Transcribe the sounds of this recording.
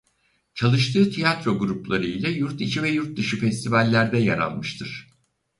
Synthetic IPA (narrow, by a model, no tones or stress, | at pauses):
t͡ʃʰalˠɯʃt̪ʰɯːt̪ʰijat̪ɾo̞ɡuɾuplˠaɾɯjlʲɛjuɾt̪it͡ʃʰivɛjuɾt̪̚d̪ɯʃɯfɛst̪ʰivalʲːæɾd̪ɛja̰ɾa̰lˠmɯʃt̪ʰɯɾ̥